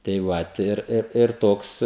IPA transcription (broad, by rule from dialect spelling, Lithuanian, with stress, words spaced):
tɐɪ ˈʋɐt ɪr ɪr ɪr ˈtoːks